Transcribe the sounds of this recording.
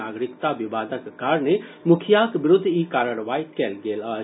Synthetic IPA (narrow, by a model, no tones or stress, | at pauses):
aɡɾɪkt̪abibaːd̪ʱəkkaɾnemʊkʰjakbɾʊd̪ʱːikaɾəɾʋaikɛːlɡelə